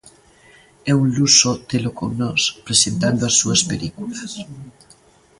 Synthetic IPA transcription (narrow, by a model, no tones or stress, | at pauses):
ɛunlusot̪elokoŋnɔspɾesent̪and̪oasːuaspelikulas